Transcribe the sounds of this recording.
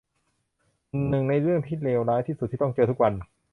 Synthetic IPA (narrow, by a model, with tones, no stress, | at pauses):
nɯ˨˩ŋna˧jɾɯ˥˩əŋt̪ʰiː˥˩leː˧wɾaː˦˥jt̪ʰiː˥˩su˨˩t̪ʰːiː˥˩ɔ˥˩ŋt͡ɕɤː˧t̪ʰu˥k̚wa˧n